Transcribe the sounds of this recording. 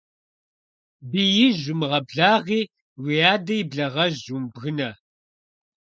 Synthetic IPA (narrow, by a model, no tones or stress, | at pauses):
bijɪʒʊmʁɐbɮaːʁiː | wijaːdɐjɪbɮɐʁɐʒʑumbɣɨnɐ